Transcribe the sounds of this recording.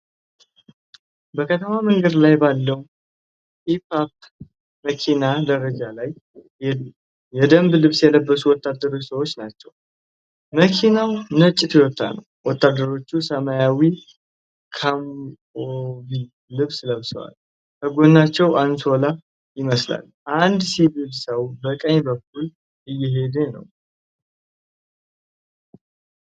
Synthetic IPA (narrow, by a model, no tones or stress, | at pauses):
bəkʰət̪ʰəmamɨŋɡəd̪lajbalːəw | hipap̚ | məkʰinad̪əɾəd͡ʒalaj | ɛ | jɛd̪əmblɨβsjɛləbːəsuwɔt̪ːad̪ːəɾo̞t͡ʃːsəwot͡ʃːnat͡ʃːɛw | məkʰinawnɨt͡ʃʼːɪt̪jɛwɔt̪ʰːa̰nə̰w | wɔt̪ːad̪ːəɾo̞t͡ʃːusəmajawi | kʰam | ovi | lɨβsləβsəwa̰l | kʰəɡo̞nːat͡ʃːɛwʔanso̞la | jɪməsla̰l | ʔand̪sibilsəwbəkʼəɲbək̚ːul | ʔɨjːɪɦe̞d̪enə̰w